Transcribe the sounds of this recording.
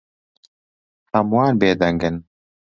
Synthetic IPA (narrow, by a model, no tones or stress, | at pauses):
ɐmwaːnbeːd̪ɐŋɡɨn